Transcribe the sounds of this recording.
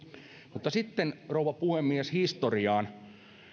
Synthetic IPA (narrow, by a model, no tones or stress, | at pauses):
mut̪ːɑsit̪ːenrouwʋɑpuhemːieshist̪oriɑːn